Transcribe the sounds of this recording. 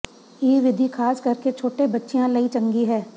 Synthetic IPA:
eːʋɪd̪ʱikʰaːskɐɾket͡ʃʰoːʈebɐtːʃijãlɐit͡ʃɐ̃ŋɡiɦɛː

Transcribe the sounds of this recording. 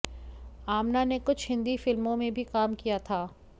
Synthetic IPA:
aːmnanekʊt͡ʃʰhɪ̃nd̪ifɪlmõmẽbʱikaːmkijat̪ʰaː

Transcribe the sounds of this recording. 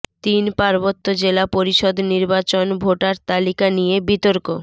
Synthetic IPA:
t̪inpaɾbot̪ːod͡ʑelapoɾiʃod̪niɾbat͡ɕonbʱoʈaɾt̪alikanijebit̪oɾko

